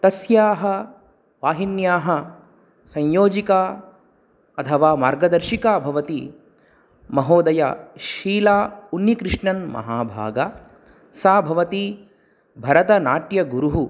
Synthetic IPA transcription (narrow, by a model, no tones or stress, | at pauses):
t̪ɐsjaːɦɐ̆ | ʋaːɦinjaːɦɐ | sɐ̃ɲjoːd͡ʒikaː | ɐt̪ʰɐʋaːmaːɾɡɐd̪ɐɾʃikaːbʱɐʋɐt̪i | mɐɦoːd̪ɐja̰ʃiːlaːunːikɾɪʂɳɐnmɐ̰ɦaːbʱa̰ːɡɐ | saːbʱɐʋɐt̪i | bʱɐɾɐt̪ɐnaːʈjɐɡuɾuɦu